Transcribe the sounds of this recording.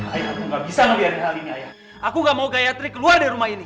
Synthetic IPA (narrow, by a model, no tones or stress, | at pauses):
ajakuŋɡaʔbisaŋəliat̪̚kəɦaliniaja | akuŋɡaʔmauɡajat̪ɾikːəluardaɾumahini